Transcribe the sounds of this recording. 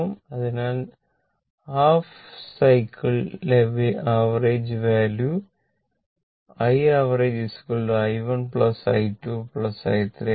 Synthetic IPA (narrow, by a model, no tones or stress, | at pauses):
mɐðinaːl | haːfsɐjkːiɭleʋiʔaːʋɐreːd͡ʑʋaːlju | ɐjaːʋɐreːd͡ʑiskuɭɐjʋɐnpɭɐsɐ̰jtːupɭɐsɐ̰jt̪ɾe